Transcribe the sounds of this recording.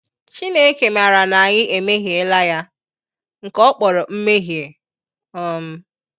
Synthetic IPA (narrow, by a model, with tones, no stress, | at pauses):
t͡ʃi˦ne˦e˦ke˨m˨a˨ɾa˨na˨a˨ɲɪ˦ʔe˨me˦ɦje˨˦la˦ja˦ | ŋ̩˨kɔ˦k͡pɔ˨ɾɔ˨m̩˦me˦ɦi˨e˨ | ɔ˦m̩˦